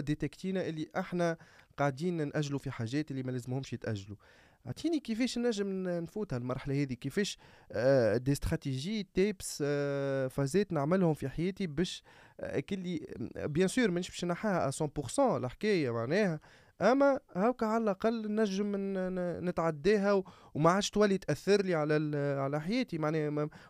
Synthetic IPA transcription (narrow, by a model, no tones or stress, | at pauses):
d̪et̪ɛkt̪iːnaʔɪlːiʔaħnæqɑʕd̪iːnnʔæʒːlufiħaːʒːɛːt̪ʔɪlːimɛlɛːzəmhʊmʃjət̪ʔæʒːlu | ʕa̰ʕt̪ʰˤiːnikefɛːʃnːæʒːəmnfuːt̪hɛlmɑɾˤħalæhɛːðikefɛːʃ | d̪est̪χɑt̪iʒiːt̪ebs | fɑzɛːt̪naʕmɪlhʊmfiħajɛːt̪ibɛːʃ | kɪlːibjɛ̃syːɾmænʃbi̥ʃnaħahæʔæ̰sɑ̃pʊʁsɑ̃lħkɛːjæmaʕnɛːhæ | ʔæmːæhæwkæʕalælʔaqɑlːnːæʒːəmnɪt̪ʕad̪ːɛːɦæw | wmaʕaːd̪ʃt̪wælːit̪ʔæθːɪɾliʕalæʕalæħajɛːt̪imaʕnɛː